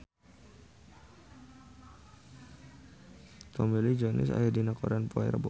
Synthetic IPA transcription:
t̪ɔmilid͡ʒɔnɪ̰sa̰jadinakɔɾanpoɛ̰ɾə̰bɔ

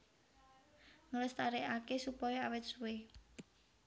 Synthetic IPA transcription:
ŋələst̪aɾeʔakesupɔjoawɪt̪̚suwe

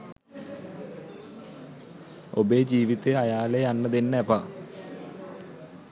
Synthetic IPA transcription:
obed͡ʑiːʋit̪ːeɐjaːleɐnːɐðinːepɐ

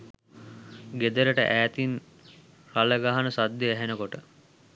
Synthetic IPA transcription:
ɡed̪əɾəʈə̰ʔæːt̪in | ɾaləɡaɦanəsad̪ːeæɦenəkoʈə

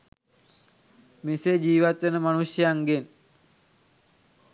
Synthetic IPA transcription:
mised͡ʑiːʋat̪ʋenəmanusjəjaŋɡen

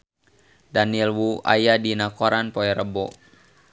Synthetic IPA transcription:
danilwuʔa̰jadinakɔɾanpɔɛɾəbɔ̰

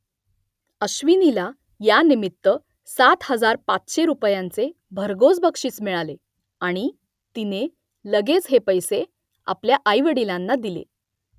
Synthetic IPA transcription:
əɕʋinila | janimit̪ːə | sat̪həd͡zaɾpat͡sɕeɾupjãnt͡se | bʱəɾɡod͡zbəkʂiːt͡smiɭale | aɽ̃i | t̪ine | ləɡet͡sɦepəjse | a̰pljaʔajʋəɽilãnːad̪ilḛ

